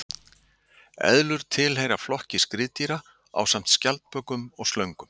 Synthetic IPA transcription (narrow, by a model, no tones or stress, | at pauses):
ɛ̰ðlʏɾ̥t̪ʰɪlɦejɾaflɔhcɪskɾɪːt̪iɾa | a̰ːwsam̥t̪scalt̪pœkʏmɔɣst̪lœɥŋkʏm